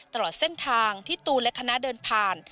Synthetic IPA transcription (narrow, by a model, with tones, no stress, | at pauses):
t̪a˧lɔː˨˩t̪̚se˥˩nt̪ʰaː˧ŋt̪ʰiː˥˩t̪uː˧lɛ˦˥kʰːa˧na˦˥dɤː˧npʰaː˨˩n